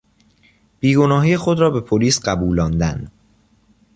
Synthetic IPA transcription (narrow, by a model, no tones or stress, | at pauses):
b̥iːɡo̞nɒːɦiːexod̪ɾɒːbe̞pʰoliːsɢæbuːlɒːnd̪ænd̪